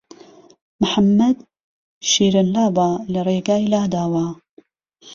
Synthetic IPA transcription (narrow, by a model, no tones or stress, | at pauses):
mħamːɐd̪ | ʃiːɾənlaːbaːlɐrˤeːɡaːilaːd̪aːwa